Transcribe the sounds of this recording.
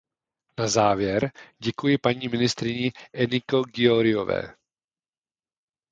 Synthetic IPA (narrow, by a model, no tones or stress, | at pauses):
nazaːvjɛɾɟɛkujɪpaɲiːmɪnɪst̪ɾɪɲɪʔɛnɪkoɡɪoɾɪjovɛ̰ː